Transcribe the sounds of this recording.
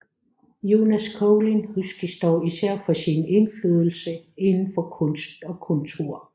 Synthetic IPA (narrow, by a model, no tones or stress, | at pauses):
jo̝næskʰɔʊlinhusɡ̥isd̥ɒ̰ːisæɐ̰fɒ̽sine̝nfløːðˠl̩səe̝nn̩fɒ̽kʰɔ̽nsd̥ɒ̽kʰɔ̽nt͡sʰo̝ɐ̰